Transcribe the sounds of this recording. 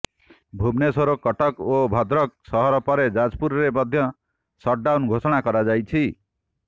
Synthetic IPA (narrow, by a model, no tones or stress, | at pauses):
bʱubnesoɾokʌʈʌkobʱʌd̪ɾʌk̚sʌɦʌɾɔpʌɾed͡zad͡zpuɾɾemʌd̪ʱjʌ | sʌʈ̚ɖawnɡʱosɔɽ̃akʌɾad͡zajt͡sʰi